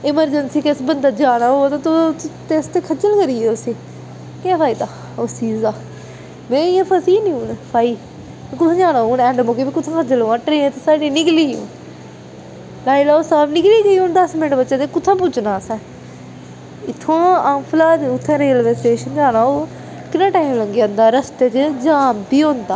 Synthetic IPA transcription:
ɪməɾd͡ʒənsiːkesbənd̪aːd͡ʒaːnaːot̪at̪ot̪eːst̪eːkʰəd͡ʒəlkəɾiːeːʊsĩː | kẽpʰaːiːd̪aː | osiːzaː | mɛ̃ːɪjãːfʰəsiːnĩːũːnpʰaːiː | kʊt̪ʰãːd͡ʒaːnaːuːnɛ̃ːɳɖmoːkeːbikʊt̪ʰãːkʰəd͡ʒəloːəʈɾeẽːt̪esaːɖiːnɪkliːṵ̃ːn | laːilaːoːsaːbnɪkliːɡəiːõnd̪əsmɪnəʈbətːʃẽːd̪eːkʊt̪ʰːãːp̬ʊd͡ʒnaːsɛ̃ː | ɪt̪ʰːõːaːmpʰlaːd̪eʊt̪ʰːɛ̃ːɾiːəlʋesʈeːʃənd͡ʒãːnãːoː | kɪnãːʈaːimləŋɡeːãːnd̪aːɾəst̪eːt͡ʃd͡ʒaːmpiːɦõːnd̪aː

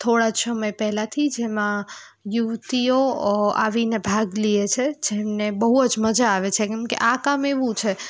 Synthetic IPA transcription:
t̪ʰoɽad͡ʒsəməjpɛɦlat̪ʰid͡ʒemã | juʋt̪ioa̰ʋinebʱaɡliet͡ʃʰed͡ʒemnebəɦuəd͡ʒməd͡ʒaːʋet͡ʃʰekɛ̃mkḛʔakameʋũt͡ʃʰe

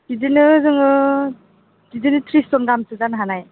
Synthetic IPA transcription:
d̥idinɯzɯŋɯ | didinɯtʰɾistɔnɡamsɯzanɦanaj

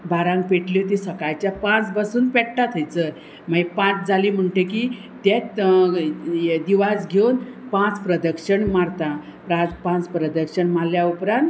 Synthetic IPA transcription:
baɾãŋk̚peʈlit̪isəkajt͡ɕjapãt͡sbəsuːnpɛʈʈat̪ʰəjt͡sə | maɡipãt͡sd͡zaliːm̤əɳʈeki | t̪ɛ̃t̪ | d̪iʋad͡zɡʱewnpãt͡spɾəd̪əkʂəɳmaɾt̪ã | pɾãt͡spãt͡spɾəd̪əkʂəɳmaljaupɾãnt̪

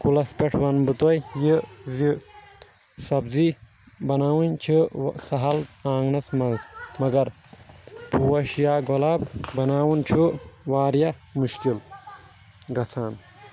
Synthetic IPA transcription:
kulɐspeʈʰʋɐnbɨt̪ojjizi | sɐbzi | bɐnaːwunʲt͡ʃʰisɐɦɐlaːŋɡnɐsmɐnzmɐɡɐɾ | pʰuːwɐʃjaːɡolaːbbɐnaːwunt͡ʃʰuʋaːɾjamuʃkil | ɡɐt͡sʰaːn

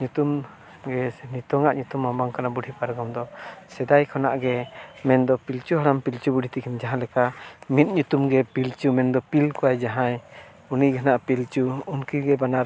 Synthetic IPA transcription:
ɲut̪um | ɡɛnit̪ɔŋaʔɲut̪umːambaŋkanabuɖʱipaɾɡɔmd̪ɔsɛd̪ajkʰɔnaʔɡɛmɛnd̪ɔpilt͡ʃuɦaɾampilt͡ʃubuɖʱit̪ikʰɛnd͡ʒaɦãlɛkamit̪̚ɲut̪umɡɛpilt͡ʃumɛnd̪ɔpilkɔajd͡ʒaɦãj | uniɡanaʔpilt͡ʃuunkiɡɛbanaɾ

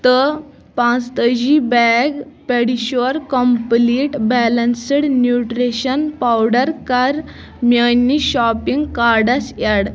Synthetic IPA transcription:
t̪ə | pãt͡st̪əd͡ʑibɛɡpɛɽiɕɔɾkɔmpliʈbɛlənsəɽnjuʈɾeɕənpawɽəɾkaɾ | mjəniɕɔpiŋɡkaɾɖasjaɽ

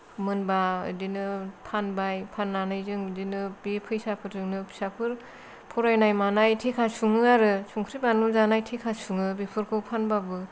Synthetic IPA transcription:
mɯnbaɯ̰dinɯpʰanbajpʰanːanajzɯŋɯdinɯbepʰɯjsapʰɯɾtʰɯŋnɯpʰsapʰɯɾ | pʰɔɾajnajmanajtʰikʰasuŋɯaɾɯsuŋkʰɾipanulzanajtʰekʰasuŋɯbepʰɯɾkʰɯwpʰanbabɯ

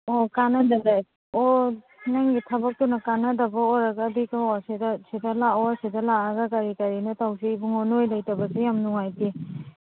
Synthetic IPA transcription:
okanɐdɐdaj | o | naŋɡitʰɐbɐk̚tunɐkanɐdɐbɐoɾaɡaːbikaasedasidɐlaoasidɐlaaɡɐkaɾikaɾinɐtawsiːbuŋɔnojlajtɐbɐsijamnuŋajti

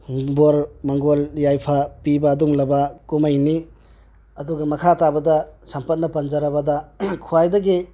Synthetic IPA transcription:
boɾmɐŋɡoljajpʰapibɐːduŋlɐbɐkumɐjni | ɐduɡɐmɐkʰatabɐdɐsɐmpɐt̚nɐpɐnd͡ʒɐɾɐbɐdɐkʰuajdɐɡi

